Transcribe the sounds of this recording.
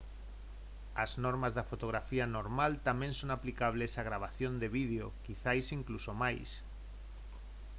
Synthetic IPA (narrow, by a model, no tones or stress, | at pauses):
aznoɾmazðafot̪oɣ̞ɾafianoɾmalt̪amẽnsonaplikaβ̞lesaɣ̞ɾaβ̞aθjond̪eβið̞eokiθajsiŋklusomajs